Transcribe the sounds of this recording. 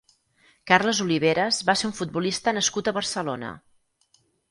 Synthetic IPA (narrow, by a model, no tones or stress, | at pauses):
karləzuliβ̞eɾəzβaseuɱfud̪̚bulist̪ənəskut̪əβərsəlonə̰